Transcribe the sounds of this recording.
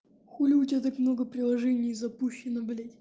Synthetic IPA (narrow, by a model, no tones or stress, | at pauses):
xulʲɪʊtʲat̪akmnoɡəpɾʲɪlˠɐʐɛnʲɪjzɐpuɕːɪnəblʲetʲ